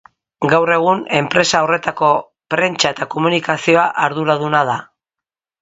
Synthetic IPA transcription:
ɡawre̞ɣ̞une̞mpɾe̞saore̞t̪ako̞ | pɾe̞nt͡ʃae̞t̪ako̞munikasio̞aʔaɾðuɾaðunað̞a

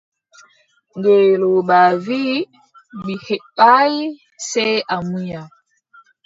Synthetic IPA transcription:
ŋɡeloɓavi | bihɛpai | sɛʔamuja

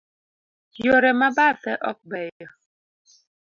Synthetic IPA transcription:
jɔɾɛmabafɛʔɔk̚bɛjɔ

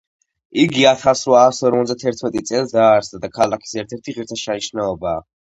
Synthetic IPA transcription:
iɡiat̪ʰasɾɔasɔɾmɔt̪d̪at̪ʰɛɾt̪ʰmɛt̪ʼit̪sʼɛlisd̪aːɾsd̪ad̪akʰalˠakʰi̥sɛɾt̪ʰɛɾt̪ʰiʁiɾt̪ʰaʃʰaniʃnaɔbaː

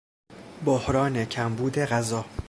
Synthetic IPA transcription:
bohɾɒːne̞cʰæmbuːd̪e̞ɢæzɒː

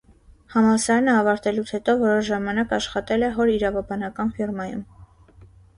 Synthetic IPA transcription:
hɑmɑsɑɾɑnəɑvɑɾt̪ɛlut͡sʰhɛt̪ɔvɔɾɔʃʒɑmɑnɑkɑʃχɑt̪ɛlɛɦɔɾiɾɑvɑbɑnɑkɑnfirmɑjṵm

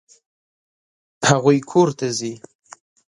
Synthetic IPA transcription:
haɣujkʰoɾt̪azi

